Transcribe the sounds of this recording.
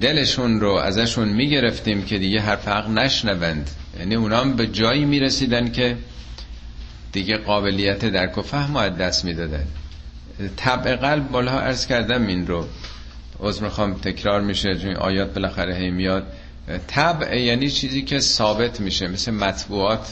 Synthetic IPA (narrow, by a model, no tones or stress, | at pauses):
d̪e̞le̞ʃunɾoʔæ̰zæʃunmiːɟe̞ɾe̞ft̪iːmcʰe̞d̪iːɡe̞ɦæɾfæɣnæʃnævænd̪jæ̰niuːnɒːmbe̞d͡ʒɒːiːmiːɾesiːd̪ænkʰe̞ | d̪̥iɡe̞ɣɒːbe̞lijːæt̪ʰed̪æɾkʰofæhmoæd̪ːæsmiːd̪ɒːd̪æn | t̪ʰæbʔe̞ɣælbmɒːlhɒʔæɾz̥kæɾd̪æminɾo | ʔozɾmixɒːmt̪ʰe̞kʰɾɒːɾmiːʃet͡ʃonʔɒ̰ːjɒːt̪̚be̞læxæɾeɦe̞jmijɒːd̪̚ | t̪ʰæbjæːniːt͡ʃʰiːziːcʰe̞sɒːbe̞t̪ʰmiːʃemesemæt̪buːɒːt̪ʰ